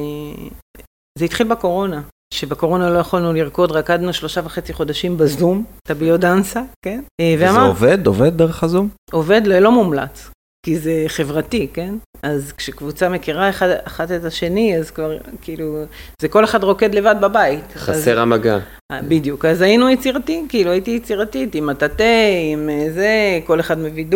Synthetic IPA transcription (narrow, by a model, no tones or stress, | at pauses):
zeit̪χilbeko̞ʁo̞na | ʃe̞beko̞ʁo̞nalo̞jaχolnuliʁko̞d̪ʁakad̪nuʃlo̞ʃavaχe̞t͡siχo̞daʃimbazumt̪abiodansake̞nveamaoved̪oved̪̚ːeʁeχazumo̞ve̞d̪lelo̞mumla̰t͡s | kize̞χe̞vʁatike̞nazkʃekvut͡same̞kiʁaeχadaχatetaʃe̞niazkvaʁkiːluzeko̞le̞χadʁo̞ke̞d̪le̞vad̪̚babaitχazeʁamaɡa̰ | bidjukazajinujet͡siʁatikiːluajitijet͡siʁatitimatateimezeko̞le̞χadmevidu